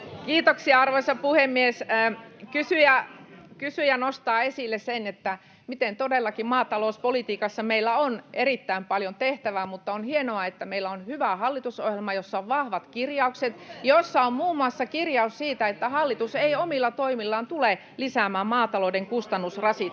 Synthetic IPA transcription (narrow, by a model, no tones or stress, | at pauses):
kiːt̪oksiɑɑrʋoisɑpuhemːiesːkysyjækysyjɑnost̪ɑːesilːessenet̪ːæ | mit̪ent̪odelːɑkimmɑːt̪ɑlouspolit̪iːkɑsːɑmeilːæonerit̪ːæimpɑljont̪eht̪æʋæmut̪ːɑonhienoɑet̪ːæmeilːæonhyʋæhɑlːit̪uso̰hjelmɑjosːɑoʋʋɑhʋɑt̪kirjɑukset̪josːɑommuːmːuɑsːɑkirjɑussiːt̪æet̪ːæhɑlːit̪useiomilːɑt̪oimilːɑːnt̪ule | lisæːmæːmmɑːt̪ɑloːdeŋkust̪ɑnːusrɑsit